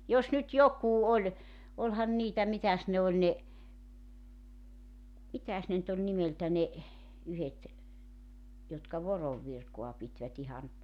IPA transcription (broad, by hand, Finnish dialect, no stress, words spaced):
jos nyt jokuː olʲ olhɑn niːtæ mitæs ne olʲ ne mitæs ne ny̆t olʲ nimeltæ ne yhet jotkɑ ʋoroʋ ʋirkoɑ pitʋæt ihɑn